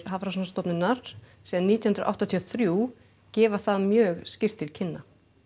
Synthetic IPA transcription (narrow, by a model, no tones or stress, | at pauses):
ɾɦavɾas̬nst̪ɔpnɪnːaɾ̥siːɣðaniːt̪jhʏnɾ̰ʔa̰wht̪at̪ʰijɔθɾjuː | cɛːvaθaðmjœːɣscɪr̥t̪ʰːɪlcʰɪnːa